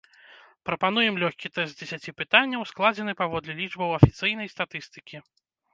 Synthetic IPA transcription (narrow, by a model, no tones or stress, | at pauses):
pɾɐpanujɛmlʲɔxʲkʲit̪ɛst̪̚d͡zʲɛsʲat͡sʲipɨt̪anʲːɐwsklˠad͡zʲɛn̪ɨpavɔd̪lʲɛlʲiʐbɐwɐfʲit̪sɨjnɐjst̪at̪ɨst̪ɨ̥kʲi